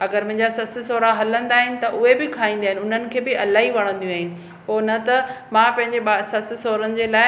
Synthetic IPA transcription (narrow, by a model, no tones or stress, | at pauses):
ɐɡəɾmɐ̃ɦɪ̃ɲd͡ʑasɐsɪsoːɾaɦɐlə̃nd̪aːɦɪnɪ̆t̪ɐʔʊɦebɪkʰaːɦĩːnd̪aːɦɪ̃nʊn̤ənɪ̆kʰeːbɪʔɐlaːɦiʋɐɽ̃ə̃nd̪jũaːɦɪnɪ̆ | poːnɐt̪ɐmãːpɐ̃ɦɪ̃ɲd͡ʑeɓasɐsɪsoːɾənɪ̆d͡ʑeːlaːɪ